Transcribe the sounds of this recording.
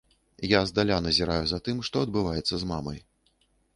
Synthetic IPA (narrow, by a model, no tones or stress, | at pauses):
jazd̪alʲanɐzʲiɾajuzat̪ɨmʂt̪ɔɐd̪̚bɨvajɛt̪sːɐzmamɐ̰j